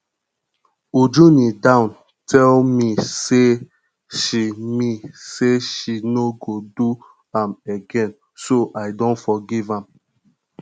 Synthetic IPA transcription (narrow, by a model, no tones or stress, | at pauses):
ud͡ʒunidãʊ̃n | tʰɛlmise | ʃimiseʃinoɡodu | ãmeɡɛ̃n | soʔaɪdõntfɔɡivãm